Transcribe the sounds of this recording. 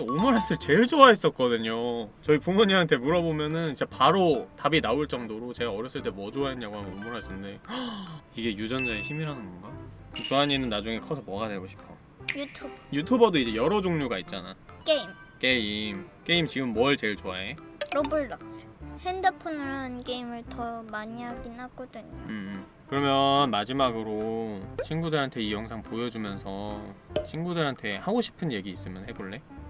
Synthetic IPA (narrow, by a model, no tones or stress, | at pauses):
omɯɾɦas͈ɯɭt͡ɕe̞ɭd͡ʑoais͈ʌt̚k͈ʌdɯɲot͡ɕʌipuŋmuɲiɦantʰe̞muɾʌbomjʌnɯnid͡ʑe̞paɾotabinauɭt͡ɕ͈ʌŋdoɾot͡ɕe̞ɡaʌɾjʌs͈ɯɭt͈e̞mwʌd͡ʑoaɦenːaɡoɦamʌnomuɾɦas͈ɯnde̞ | iɡe̞jud͡ʑʌnd͡ʑaeçimiɾɦanɯnʌnɡa | t͡ɕoaɲenɯnːad͡ʑuŋe̞kʰʌs̬ʰʌmʌɡadwe̞ɡoɕʰi̥p̚ʰo | jutʰubjutʰubʌdoid͡ʑe̞jʌɾʌd͡ʑoŋɲuɡait̚t͡ɕ͈ana̰k͈eim | k͈e̞imk͈e̞imt͡ɕiɡɯmːʌɭt͡ɕe̞ɭt͡ɕoaeɾʌbuɭːak̚s͈e̥hendɯpʰonɾank͈e̞imɯɭtʌmaɲiɦaɡinhaɡ͈ʌdɯɲoɯ | kɯɾʌmjʌnmad͡ʑimaɡɯɾot͡ɕʰinɡudɯɾɦantʰe̞ijʌŋsʰaŋpojʌd͡ʑumjʌnsʰʌt͡ɕʰinɡudɯɾɦantʰe̞haɡoɕʰi̥pʰɯnje̞ɡiːs͈ɯmjʌnhe̞boɭːe̞